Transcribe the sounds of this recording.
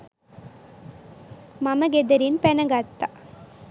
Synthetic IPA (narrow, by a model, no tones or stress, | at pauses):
mɐmɐɡed̪ɐɾinpɛnɐŋɡɐt̪ːa